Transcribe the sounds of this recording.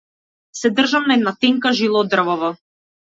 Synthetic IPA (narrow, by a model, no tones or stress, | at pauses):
sɛd̪r̩ʒamnaɛd̪nat̪ɛŋkaʒilˠɔd̪r̩vɔvɔ